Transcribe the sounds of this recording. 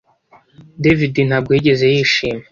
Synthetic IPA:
devidin̥haːb̚ɡwiɟe̞ze̞jiːʃiːme

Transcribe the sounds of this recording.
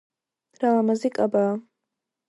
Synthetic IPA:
ralamazikʼaba

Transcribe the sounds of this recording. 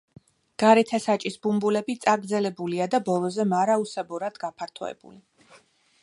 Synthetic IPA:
ɡ̥aɾɛt̪ʰasat͡ʃʼisbumbulɛbit̪sʼaɡɾd̪zɛlɛbuliad̪abɔlˠɔzɛmaɾausɛbɔɾad̪̥ɡapʰaɾt̪ʰɔ̰ɛ̰bṵli

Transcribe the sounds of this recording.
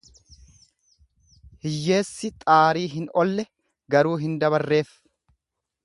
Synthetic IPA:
hɪjːe̞ːsːɪt̪ʼaːɾiːɦɪnɔlːɛ | ɡɐɾuːɦɪnd̪ɐβɐrːe̞ːf

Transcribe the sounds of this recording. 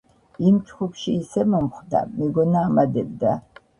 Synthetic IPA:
imt͡ʃʰʼχʷʊpʃiːsɛmɐmχʷda̰miɡɔnaːmad̪ɛb̚d̪a

